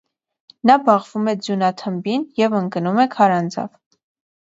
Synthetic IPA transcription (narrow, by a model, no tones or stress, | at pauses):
nɑbɑʁv̥umɛd͡zjunɑt̪ʰəmbinjɛvəŋkənumɛkʰɑɾɑnd͡zɑ̰v